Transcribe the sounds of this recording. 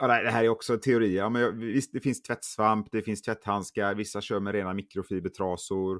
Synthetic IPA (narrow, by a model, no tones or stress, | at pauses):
ɑːd̪ɛd̪ɛɦæːɾæɾɔksɔt̪ʰɛʊɾiːəɑːmɛnjɑvɪst̪̚d̪ɛfɪnst̪ʰvɛt̪ːsvampd̪ɛfɪnst̪ʰvɛt̪ːhanskaɾvɪsːaɕøːɾmɛɾeːnamɪkɾʊfiːbət̪ʰɾɑːsʊɾ